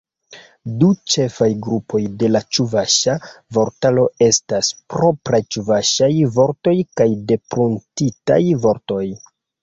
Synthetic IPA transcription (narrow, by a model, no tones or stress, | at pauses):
dut͡ʃe̞fajɡɾupo̞jde̞lat͡ʃuvaʃavo̞ɾtalo̞e̞staspɾo̞pɾajt͡ʃuvaʃajvo̞ɾto̞jkajde̞pɾuntita̰jvo̞ɾto̞j